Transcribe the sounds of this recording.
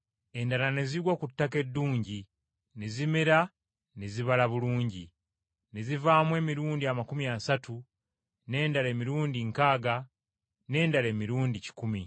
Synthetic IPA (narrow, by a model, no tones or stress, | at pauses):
e̞ndalane̞ziɡwakutːake̞dːuːɲɟi | ne̞zimeɾa | ne̞ziβalaβuluːɲɟi | ne̞zivaːmwe̞ːmiɾuːndiamakumiasatu | ne̞ːndale̞ːmiɾuːndiŋkaːɡa | ne̞ːndale̞ːmiɾuːndici̥kumi